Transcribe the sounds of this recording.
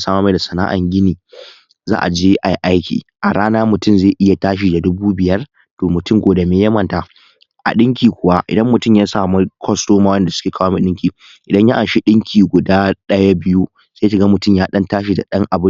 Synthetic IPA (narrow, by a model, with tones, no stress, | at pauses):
saː˦ma˦ma˨da˨sɐ˨na̰ː˦ʔa̰˨ŋɡʲɪ˦niː˨ | za̰ː˦ʔa˨d͡ʒeː˦ʔa˨ji˦ʔa˦jkʲḭː˨ʔa˨ɽaː˦naː˦mʊ˨tʊ˦˨mze˦˨ʔɪ˦ja˨taː˦ʃ̬i˨da˨dʊ˦buː˦bɪ˨jɐ˦r | toː˨mʊ˨tʊ˦mɡʷoː˨da˨meː˨jɐ˦mɐ˦˨nta˨ | ʔa̰˨ɗɪ˦ŋkʲiː˨kʷʊ˨wa˦ʔɪ̰˨dɐ˦mːʊ˨tʊ˦˨mjaː˦saː˨mu˦kʰʷɔ˦stoː˦maː˦wɛ˦˨nda˨sʊ̥˦kʲeː˨kaː˦waː˦ma˨ɗɪ˦kʲiː˨ | ʔɪ˨dɐ˦ɲja˦ʔa˨ʃi˦ɗɪ˦ŋkʲʰiː˨ɡʷʊ˨daː˦ɗɐ˦ja˦bɪ˦ju˦ | sa˦ja˦ʃɪ˨ɡa˦mʊ˨tʊ˦˨mjaː˦ɗɐ˦ntaː˦ʃ̬i˨da̰˨ɗɐ˦ŋʔa˨bʊ˦